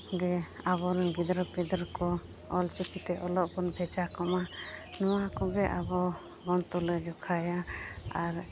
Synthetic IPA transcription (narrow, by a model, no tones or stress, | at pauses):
ɡɛaβɔɾɛɡid̪ɾəpid̪ɾkɔ | ɔlt͡ʃikʰit̪ɛʔɔlɔʔbɔnbʱɛt͡ʃakɔmanɔwakɔɡɛʔabɔ | ɡɔnt̪ulɛd͡ʒɔkʰajaaɾ